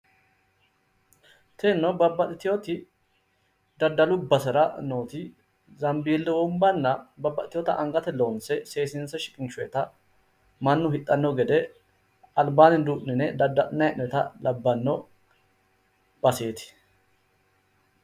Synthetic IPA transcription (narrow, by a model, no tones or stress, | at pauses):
t̪ʰeːnːɔbɐbːɐt̪ʼɪt̪ɪjot̪ɪ | d̪ɐd̪ːɐlʊbɐsɪɾɐno̞ːt̪ɪ | zɐmbiːlːɛwɔmbɐnːɐbɐbːɐt̪ɪt̪ːɪjɔt̪ɐʔɐŋɡɐt̪ɛlo̞ːnsɛse̞ːsɪnsɐʃɪ̥kʼɪnʃʊɛt̪ɐ | mɐnːʊhɪt̪ʼːɐnːɔɡɛd̪ɛ | ɐlbaːnɪd̪uːʔnɪnɛd̪ɐd̪ːɐnɐɛʔɛt̪ɐ̰lɐbːɐnːɔ | b̥ɐse̞ːt̪ɪ̥